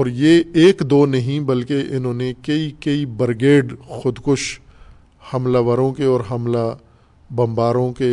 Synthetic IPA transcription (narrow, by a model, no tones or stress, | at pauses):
ɔːɾjeeːkd̪oːnɐɦĩbɐlkeʔɪnɦõːnekɐikɐibɐɾɡeːɖxʊd̪kʊʃ | hɐmlaːʋəɾõkeɔːɾɦɐmla | bɐ̃mbaːɾõke